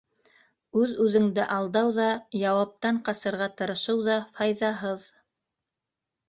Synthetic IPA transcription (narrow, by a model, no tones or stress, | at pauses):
ʉðʉðɘ̆ŋd̪ɘʔɑlˠd̪ɑwðɑjɑwɑp̚t̪ɑɴqɑsɤ̆ɾʁɑt̪ɤ̆ɾɤ̆ʃɤwðɑfɑjðɑɦɤð